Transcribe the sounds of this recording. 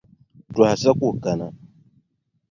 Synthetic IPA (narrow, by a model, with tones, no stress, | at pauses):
tɔ˨a˨sa˦ku˦˨ka˨na˨